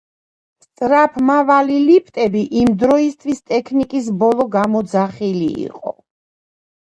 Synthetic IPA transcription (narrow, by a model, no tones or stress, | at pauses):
st̪sʼɾapʰmavalilipʰt̪ʼɛbiʔimd̪ɾɔist̪ʰwist̪ʼɛkʰnikʼis̬bɔlˠɔɡamɔd̪zaχilḭḭqʼɔ̰